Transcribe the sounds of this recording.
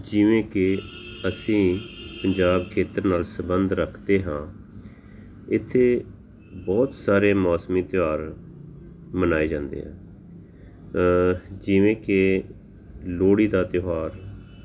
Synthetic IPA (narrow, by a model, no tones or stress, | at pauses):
d͡ʒɪʋẽːkɪəsĩːpəɲd͡ʒaːbkʰeːt̪əɾnaːlsəbənd̪ɾəkʰd̪eːɦãː | ɪt̪ʰːeː | bɔːt̪saːɾeːmɔːsmiːt̪ɪaːɾ | mənaːeːd͡ʒãːnd̪ḛːɦɛ̰̃ː | d͡ʒɪʋẽːkɪ | loːɽiːd̪aːt̪ɪjɦaːɾ